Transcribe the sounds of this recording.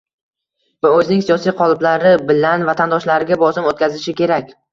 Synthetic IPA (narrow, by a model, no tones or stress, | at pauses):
vʊɵzɪnɪŋsijɒsijqʰɒlˠɪblaɾɪbɪlanvat̪ʰand̪ɒʃlaɾɪɡʲabɒsɪmot̪̚kʲʰazɪʃɪkʲʰe̞ɾakʲ